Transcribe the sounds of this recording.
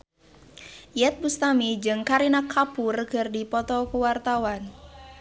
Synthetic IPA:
jɛt̪̚bust̪amid͡ʒɨŋkaɾinakʰapʊrɡ̥ərdipɔt̪ɔkuwart̪awan

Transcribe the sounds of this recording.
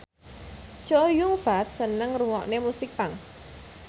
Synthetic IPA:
t͡ʃojuŋfatsənəŋruŋɔʔnemusɪk̚paŋ

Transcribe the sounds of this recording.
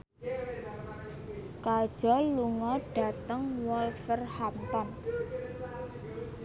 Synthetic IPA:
kad̥ʒ̥ɔ̤luŋɔɖ̥a̤t̪əŋwɔlfərhamt̪ɔn

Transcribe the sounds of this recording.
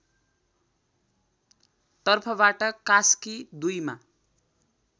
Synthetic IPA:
t̪ʌrpʰʌbaʈʌkaskid̪ujma̰

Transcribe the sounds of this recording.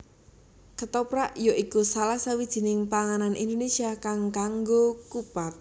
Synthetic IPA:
kət̪ɔpɾaʔjoikusalasawid̥ʒ̥i̤nɪŋpaŋananʔḭnd̪onesiakaŋkaŋɡokupat̪̚

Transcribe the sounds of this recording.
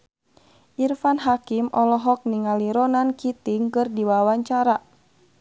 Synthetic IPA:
ʔirfanɦakimɔlɔɦɔk̚niŋaliɾɔnankit̪iŋkɨrdiwawaɲt͡ʃaɾa

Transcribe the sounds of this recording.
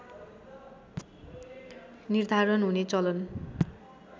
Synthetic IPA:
nird̪ʱaɾʌnɦunet͡sʌlʌn

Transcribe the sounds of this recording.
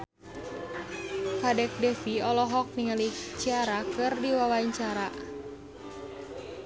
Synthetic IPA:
kadɛk̚dɛfiɔlɔɦɔk̚niŋəlit͡ʃiaɾakɨrdiwawaiɲt͡ʃaɾa

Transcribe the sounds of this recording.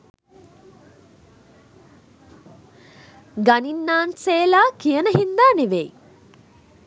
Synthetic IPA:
ɡaninːaːnseːlaːkijənəɦind̪aːneʋej

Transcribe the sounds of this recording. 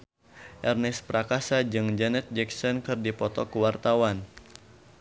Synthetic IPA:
ʔɛrnɛspɾakasad͡ʒɨŋd͡ʒɛnɛt̪̚d͡ʒɛksɔnkɨrdipɔt̪ɔkuwart̪awan

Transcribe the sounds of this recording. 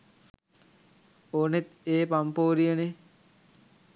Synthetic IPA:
oːnet̪eːpampoːɾijəne

